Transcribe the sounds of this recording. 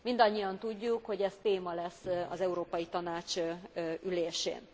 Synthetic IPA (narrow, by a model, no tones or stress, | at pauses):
mind̪ɒɲːiɒnt̪uɟːukho̞ɟɛst̪eːmɒlɛsːɒ̰zɛuɾoːpɒjit̪ɒnaːt͡ʃ | yleːʃḛːn